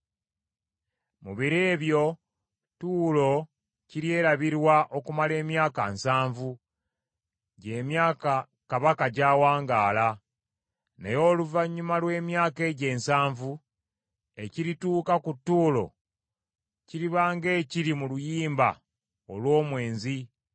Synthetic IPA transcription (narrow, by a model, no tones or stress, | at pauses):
muβiɾeːβjo̞ | tuːlo̞ | ciɾje̞ːɾaβiɾwaʔo̞kumale̞ːmjaːka̰nsaːɱvu | ɟe̞ːmjaːka | kaβakaɟaːwaːŋɡaːla | nḛjo̞ːluvaɲːumalwe̞ːmjaːke̞ːɟe̞ːnsaːɱvu | e̞ciɾituːkakutːuːlo̞̰ | ciɾiβaːŋɡe̞ːciɾimulujiːmba̰ | olwo̞ːmwe̞ːnzi